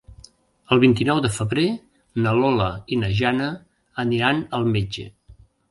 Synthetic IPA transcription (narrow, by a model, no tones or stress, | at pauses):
əlˠβint̪inɔwðəfəβɾe | nəlɔləinəʒanə | əniɾanəlˠmed͡ʒə̰